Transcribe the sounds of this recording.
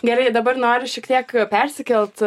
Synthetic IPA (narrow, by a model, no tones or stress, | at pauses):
ɡʲɛɾɐɪd̪ɐbɐrnoːɾʲɪʃʲɛkt̪ʲiɛkpʲɛɾʲsʲɪkʲɛlʲt̪